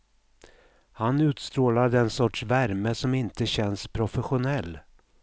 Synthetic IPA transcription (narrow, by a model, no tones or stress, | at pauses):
hanʉ̟ːt̪st̪ɾoːlad̪ɛnsɔʈʂvæɾməsɔmɪnt̪əɕɛnspʰɾʊfɛɧʊnɛlː